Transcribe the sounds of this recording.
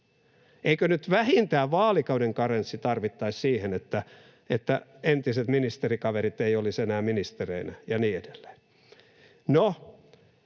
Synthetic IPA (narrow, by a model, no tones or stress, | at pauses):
eikønyt̪ʋæhint̪æːʋɑːlikɑudeŋkɑrensːit̪ɑrʋit̪ːɑissiːhenet̪ːæ | et̪ːæent̪iset̪minist̪erikɑʋeɾit̪eiolisenæːminist̪ereinæjɑniːedelːe̥ːn | no